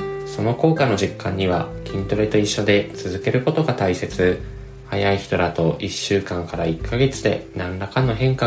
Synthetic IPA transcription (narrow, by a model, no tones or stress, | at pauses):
so̞no̞ko̞ːkano̞ʑikːãɲ̟ːiβ̞akʲĩnt̪o̞ɾe̞t̪o̞iɕːo̞d̪e̞t͡sɨzɨke̞ɾɯ̟ko̞t̪o̞ɡat̪aise̞t͡sɨ | hajaiçi̥t̪o̞d̪at̪o̞ʔiɕːɨːkãŋkaɾaikːaɡe̞t͡sɨd̪e̞̰nãnɾakanːo̞ɦẽ̞ŋka